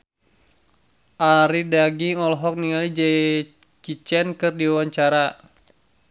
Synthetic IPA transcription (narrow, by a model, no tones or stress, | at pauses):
ʔaɾidaɡiŋɔlɦɔk̚niŋalid͡ʒɛ | t͡ʃit͡ʃɛnkɨrdiawaɲt͡ʃaɾa